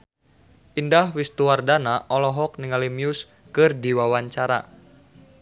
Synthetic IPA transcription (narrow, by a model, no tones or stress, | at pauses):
ʔindahwist̪uwardanaʔɔlɔɦɔk̚niŋalimiʊs | kɨrdiwawaɲt͡ʃaɾa̰